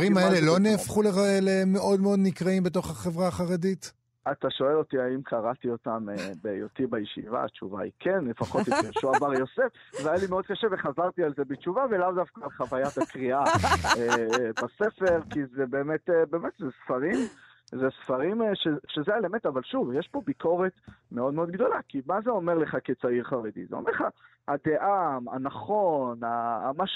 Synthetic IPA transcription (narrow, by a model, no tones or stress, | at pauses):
ʁimaele̞lo̞neːfχuleʁaelemeʔo̞d̪meo̞d̪nikʁaimbet̬o̞χaχe̞vʁaːχaʁedit | at̪aʃo̞e̞lo̞t̪iaimkʰaʁat̪iotamebejotibajeʃḭva̰ːt͡ʃuva̰ḭkʰenlefaχo̞t̪joʃuabaʁjo̞sefveajalimeo̞d̪̚kaʃeveχazaʁt̪ialzebet͡ʃuvavelavdafkaːlχavajat̪akʁiaebasefeʁkizebeːmet̪ebeːmet̪zesfaʁim | zesfaʁimʃeʃezeaelement̪avalʃuvjeʃpo̞biko̞ʁet̪meo̞d̪meo̞d̪ɡdo̞lakimazeo̞me̞ʁleχaket͡saiʁχaʁed̪ḭzḛomeʁleχa̰ | had̪e̞ʔama̰naχo̞namaʃ